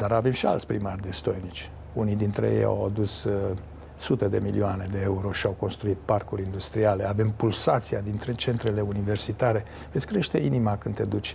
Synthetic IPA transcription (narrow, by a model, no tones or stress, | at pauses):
d̪aɾavemʃia̰lt̪sʲpɾimarʲd̪e̞st̪o̞jnit͡ʃʲ | unijd̪int̪ɾḛjḛja̰wad̪us | sut̪e̞d̪e̞milioane̞d̪e̞euɾo̞ʃiawko̞nst̪ɾuit̪̚parkuɾʲind̪ust̪ɾiale̞ave̞mpulsat̪siad̪int̪ɾe̞t͡ʃe̞nt̪ɾe̞le̞unive̞rsit̪aɾe̞ | vet̪sʲkɾe̞ʃt̪e̞inimakɨnt̪e̞d̪ut͡ʃʲ